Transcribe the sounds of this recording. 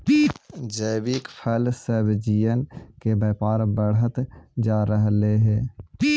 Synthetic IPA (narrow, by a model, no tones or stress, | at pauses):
d͡ʒəːbɪkpʰəlsəbd͡ʒijənkebeːpaːɾbəɽɦət̪d͡ʒaːɾəɦleɦɛː